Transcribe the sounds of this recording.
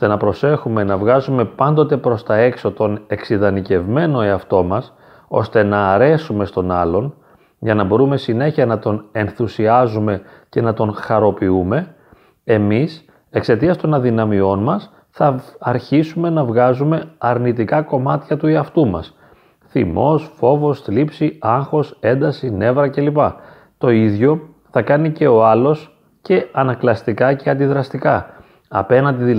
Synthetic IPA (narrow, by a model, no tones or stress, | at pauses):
ost̪e̞nɐpɾo̞se̞xume̞nɐvɣɐzume̞pɐnd̪ot̪e̞pɾo̞st̪ɐe̞kso̞t̪o̞ne̞ksiðɐnice̞vme̞no̞eɐft̪o̞mɐs | o̞st̪e̞nɐːɾe̞sume̞st̪o̞nɐlo̞n | ʝɐnɐbo̞ɾume̞sine̞çiɐnɐt̪o̞ne̞nθusiɐzume̞ | ce̞nɐt̪o̞nxɐɾo̞piume̞ | e̞mis | e̞kse̞t̪iɐst̪o̞nɐðinɐmio̞nmɐs | θɐːɾçisume̞nɐvɣɐzume̞ɐɾnit̪ikɐko̞mɐt̪çɐt̪ueɐft̪umɐ̰s | θḭmo̞sfo̞vo̞st̪lipsiɐŋxo̞se̞nd̪ɐsine̞vɾɐce̞lipɐ | t̪o̞iðʝo̞ | θɐkɐnice̞o̞ɐlo̞s | ce̞ɐnɐklɐst̪ikɐceɐnd̪iðɾɐst̪ikɐ | ɐ̰pe̞nɐnd̪iði